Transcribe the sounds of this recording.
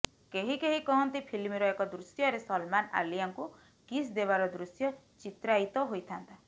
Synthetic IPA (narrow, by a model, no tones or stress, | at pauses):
keɦikeɦikɔɦɔnt̪ipʰilmiɾɔekɔd̪ɾusjɔɾesɔlmana̰lijaŋku | kisd̪eβaɾɔd̪ɾusjɔ | t͡ʃit̪ɾait̪ɔɦojt̪ʰant̪a